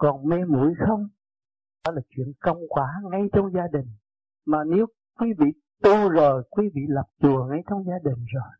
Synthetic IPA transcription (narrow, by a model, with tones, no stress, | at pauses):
kɔ˨˩nmɛ˧mṵ˧˥əjxə˧wŋ͡m | ɗɔ˨˦laː˨˩t͡ɕwḭ˧˨ənkə˧wŋ͡mkwaː˨˦ŋa˧jt͡ɕɔ˧wŋ͡mzaː˧ɗï˨˩ŋ̟ | maː˨˩ne˨˦w | kwi˨˦vḭ˧˨ | t̪u˧zo˨˩jkwi˨˦vḭ˧˨la˨˩p̚t͡ɕu˨˩əŋa˧jt͡ɕɔ˧wŋ͡mzaː˧ɗï˨˩ŋ̟zo˨˩j